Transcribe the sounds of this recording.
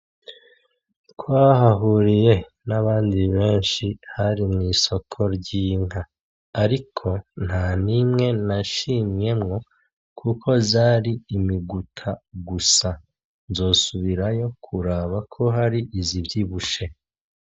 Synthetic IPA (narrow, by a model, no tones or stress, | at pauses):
kwaːhaɦuɾije̞ | naβaːndiβe̞ːnʃihaɾimŋiːso̞kʰo̞ɾɟiːŋ̥aː | ɾikʰo̞n̥hanimŋe̞naʃimje̞mŋo̞ | kʰukʰo̞zaːɾiːmiɡutʰaɡusa | nzo̞ːsuβiɾajo̞kʰuɾaːβakʰo̞ɦaɾiʔizivjiβuʃe̞